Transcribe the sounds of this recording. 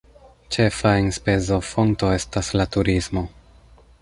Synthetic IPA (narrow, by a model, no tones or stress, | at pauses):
t͡ʃe̞faenspe̞zo̞fo̞ŋto̞e̞staslatuɾismo̞